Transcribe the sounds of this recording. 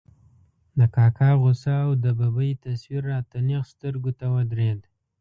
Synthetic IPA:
d̪əkɑkʰɑɣosaːwd̪əbabəjit̪aswiɾːɑt̪aneqst̪əɾɡot̪awəd̪ɾed̪

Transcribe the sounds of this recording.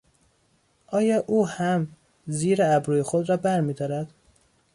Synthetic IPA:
ʔɒːjɒːʔuːhæm | ziːɾeæbɾuːjexod̪ɾɒːbæɾmiːd̪ɒːɾæd̪̥

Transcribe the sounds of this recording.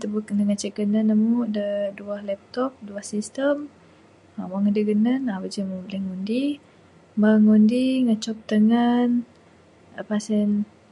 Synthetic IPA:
t̪əbuknəŋat͡ʃəʔɡənənamuʔdəduahlɛp̚t̪ɔp̚duahsist̪əm | awaŋədəɡənənabəd͡ʒəmubəlɛŋundi | məŋundiŋət͡ʃɔp̚t̪əŋan | apasən

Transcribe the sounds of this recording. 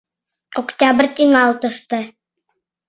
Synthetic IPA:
okt̪ʲabrʲt̪ʲiŋɑlˠt̪ɤ̆st̪ɤ

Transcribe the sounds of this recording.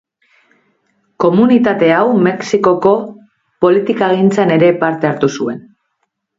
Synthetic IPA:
ko̞munit̪at̪e̞awme̞ksiko̞ko̞ | po̞lit̪ikaːɣint͡sane̞ɾe̞paɾt̪e̞aɾt̪usue̞n

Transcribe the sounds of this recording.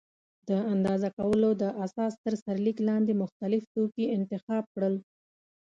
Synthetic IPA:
d̪əand̪ɑzakawəlod̪əʔasɑst̪əɾsaɾliklɑnd̪emʊxt̪alɪft̪okiɪnt̪ɪxɑb̚kɽəl

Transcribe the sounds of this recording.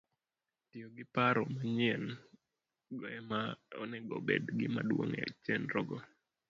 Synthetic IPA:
tioɡɪpaɾɔmaɲɪɛn | ɡɔɛmaɔ̰nɛɡɔ̰bḛdɡɪ̰ma̰dwo̰ŋɛ̰t͡ʃɛnɾɔɡɔ

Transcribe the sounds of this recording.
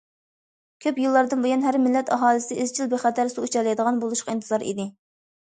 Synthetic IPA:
kʲʰøpjilˠːɑɾd̪ɨnbojɑnɦæɾmɪlːɛt̪ɑɦɑːlˠɨsɪʔɪzt͡ʃʰilˠbeχɛt̪ʰæɾsuut͡ʃʰɛlɛjd̪əʁɑnbolˠuʃqʰɑint̪ʰɨzɑɾḭd̪ɪ

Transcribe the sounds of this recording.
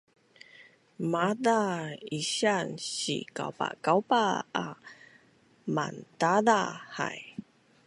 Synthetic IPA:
madaiɕanɕḭka̰wpa̰kawpaa | ma̰ntadaha̰j

